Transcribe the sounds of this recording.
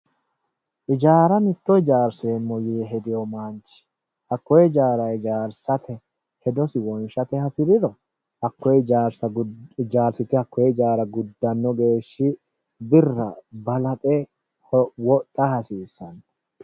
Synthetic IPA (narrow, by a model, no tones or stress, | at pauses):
ʔɪd͡ʒaːɾɐmɪt̪ːɔjd͡ʒaːɾseːmːɔjiɛɦɛd̪ɪjɔmaːnt͡ʃːɪ̥ | hɐkːɔjɛd͡ʒaːɾɐɛd͡ʒaːɾsɐt̪ʰɛ | hɛd̪ɔsɪwɔnʃɐt̪ɛhɐsɪɾɪd̪ɔ | hɐkːɔjɛd͡ʒaːɾsɐd͡ʒaːɾsɪt̪ɪhɐkːɔjɛd͡ʒaːɾɐɡʊd̪ːɐnːɔɡe̞ːʃːɪ | bɪrːɐbɐlɐt̪ʼɛ | wɔt̪ʼːɐhɐsiːsːɐnɐ̥